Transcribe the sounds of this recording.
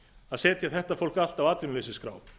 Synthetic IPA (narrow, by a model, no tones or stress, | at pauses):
aðsɛːt̪jaθɛht̪afowl̥kal̥t̪avaːt̪vɪnlesɪskɾa̰ːw